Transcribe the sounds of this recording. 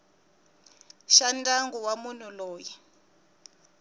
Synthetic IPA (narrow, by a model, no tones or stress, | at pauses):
ʃandaŋɡuwamun̤ulɔːji